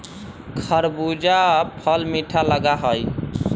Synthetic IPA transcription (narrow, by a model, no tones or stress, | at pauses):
kʰəɾbud͡ʒapʰəlmiʈʰaləɡaɦəj